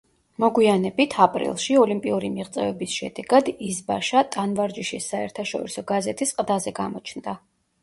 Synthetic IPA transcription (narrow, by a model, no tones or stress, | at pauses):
mɔɡwianɛbit̪ʰapʼɾḭlˠʃiɔlimpʼiuɾimiʁt̪sʼɛvɛbisʃɛ̰d̪ɛɡad̪isbaʃat̪ʼanvaɾd͡ʒiʃisːaɛɾt̪ʰaʃɔ̰ɾisɔɡazɛt̪ʰisqʼd̪azɛɡamɔt͡ʃʰnd̪a